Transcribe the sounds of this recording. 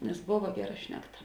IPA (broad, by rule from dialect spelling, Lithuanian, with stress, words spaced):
nʲɛs ˈboːʋɐ ˈɡʲæːˌrɐ ˈʃʲnʲæːkˌtɐ